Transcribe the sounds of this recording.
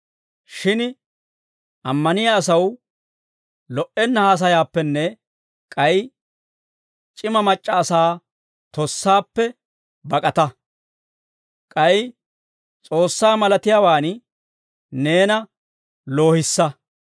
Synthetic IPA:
ʃɪn | ʔɐmːɐnɪjɐːsɐw | lɔʔɛnːɐhaːs̬ɐjaːpːɛnːɛ | kʼɐj | t͡ʃʼɪmɐmɐt͡ʃʼːɐːsaː | t̪ɔsːaːpːɛ | bɐkʼɐt̪ɐ | kʼɐj | t͡sʼo̞ːsːaːmɐlɐt̪ɪjaːwaːn | ne̞ːnɐ | lo̞ːhɪsːɐ

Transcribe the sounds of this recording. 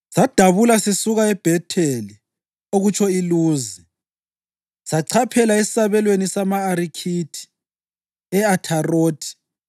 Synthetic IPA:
sad̥ʱaβulasesuɣaɛb̥ʱɛtʰeli | oɣut͡ʃʰɔiluːzi | saǀʰapʰɛlaesi̥saβɛlwenisamaːɾikʰitʰi̥ | ɛatʰaroːtʰi̥

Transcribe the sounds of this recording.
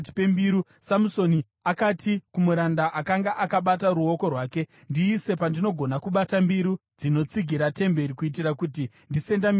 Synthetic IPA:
tpembiɾusamuso̞ni | akatikumuɾandaʔakaŋɡaʔakaɓat̬aɾuo̞ko̞rwaːke̞ | ndiːse̞pandino̞ɡʱo̞nakuɓatambiɾud͡zino̞t͡siɡʱiɾate̞mbe̞ɾikuit̬irakuti | ndise̞ndam

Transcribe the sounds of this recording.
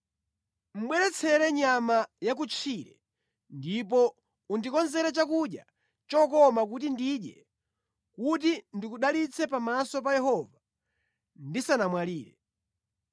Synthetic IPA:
m̩ɓwɛɾɛt͡sʰɛɾɛɲamajak̬ut͡ʃʰiɾɛ̰ | ndip̬ɔ | undikɔnzɛɾɛt͡ʃakuɗja̰ | t͡ʃɔkɔmak̬utindiɗjɛ | kutindikuɗalit͡sʰɛpamasɔp̬ajɛhɔva | ndisanamwaliːɾɛ

